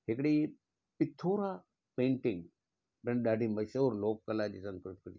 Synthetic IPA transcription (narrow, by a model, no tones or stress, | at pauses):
hekɽi | pɪt̪ʰoːɾa | pẽːɳʈɪ̃ŋɡ | pɾẽnɗaɖʱiməʃəʋɾloːkːəlad͡ʑiːsə̃ŋskɾut̪k